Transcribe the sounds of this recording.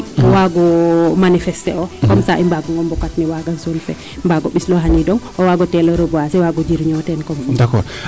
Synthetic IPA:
waɡɔmanifɛstɛ̰ɔkɔmsaʔimbaɡɔŋɡɔmbɔkatnɛwaɡasolfɛ̰ | mbaɡɔɓislɔɦanidɔŋ | ɔwaɡɔtɛlɔɾəbɔasɛwaɡɔd͡ʒiɾɲɔtɛnkɔmdakɔ̰ɾ

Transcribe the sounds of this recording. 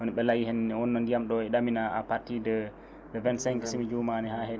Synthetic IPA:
ʔɔniɓɛlaɡihɛnːɛwɔnːɔndijamɗɔɛɗaminaa̰paɾtidɛ | dɛvɛnsɛŋkisimid͡ʒumanɛhaɦɛ

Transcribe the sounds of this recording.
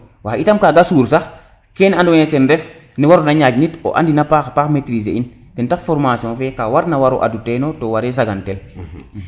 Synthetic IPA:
waitamkaɡasuːɾsax | kenandɔɲetɛndɛf | niwaɾonaɲad͡ʒnito̰ʔa̰ndinapaxpakmetɾisḛin | kɛntakfɔɾmasiɔ̃fɛkawaɾnawaɾo̰ʔa̰dutenotowaɾes̬aɡantɛl

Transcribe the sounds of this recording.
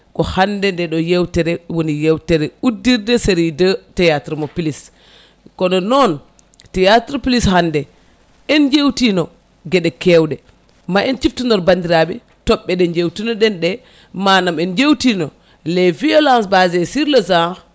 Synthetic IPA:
kɔhandɛndɛɗɔjewtɛɾɛwonijewtɛɾɛudːiɾdɛseɾidətɛjatɾmɔpilis | kɔnɔnɔn | tɛjatɾpilishandɛ | ɛnd͡ʒewtinɔ | ɡɛɗɛkɛwɗɛ | maʔɛnt͡ʃiftundɔɾbandiɾaɓɛ | tɔɓːɛɗɛnd͡ʒewtinɔɗɛnɗɛ | manamɛnd͡ʒewtinɔ | lɛviɔlansbazɛsiɾlɔzãx

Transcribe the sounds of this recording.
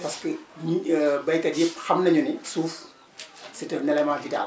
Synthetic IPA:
pɐskə | bɐjkɐdipxɐmnɐɲunisuːf | sitɐnɛlɛmaːvida̰ːl

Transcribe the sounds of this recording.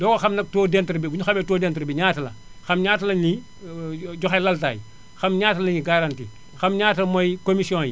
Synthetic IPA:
dɔːkoxɐmnɐk̚toːdɛntɾbibuɲuxɐmɛtoːdɛntɾbiɲaːtɐlɐ̰ | xɐmɲaːtɐlɐɲi | ɟɔxalɐlta̰ːjḭ | xɐmɲaːtɐlɐɲiɡaɾantiː | xɐmɲaːtɐlmojkomisiõːji

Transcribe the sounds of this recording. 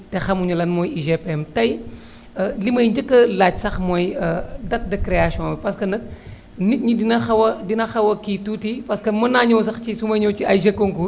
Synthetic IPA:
texɐmuɲulɐnmoːjiʒepemtɐj | ɐlimɐjɲd͡ʒɐkːɐlaːt͡ʃsɐxmojɐdɐt̚dɐkɾeasiõwɐpɐskɐnɐk̚ | nit̚ɲidinɐxɐwɐdinɐxɐwɐkitutipɐskɐmɐnaːɲows̬ɐxt͡ʃisumɐjɲowt͡ʃiɐjʒɐkːoŋku

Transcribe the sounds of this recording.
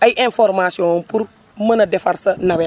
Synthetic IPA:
ajʔẽnfoɾmasiõnpuɾ | mɐnɐdefaɾsɐnɐbe

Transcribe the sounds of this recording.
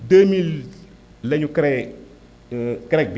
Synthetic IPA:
d̪emil | leɲukɾɛ | kɾek̚b

